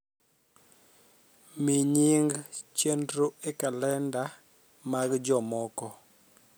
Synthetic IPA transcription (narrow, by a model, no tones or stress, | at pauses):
miɲiŋɡt͡ʃendɾoekalɛnda | maɡd͡ʒɔmɔkɔ